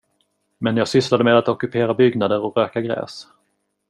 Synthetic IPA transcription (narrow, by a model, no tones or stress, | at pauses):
mɛnjɑːɡsʏslad̪əmeːd̪at̪ɔkɵpʰeːɾabʏɡnad̪əɾɔkɾøːkaɡɾɛ̰ːs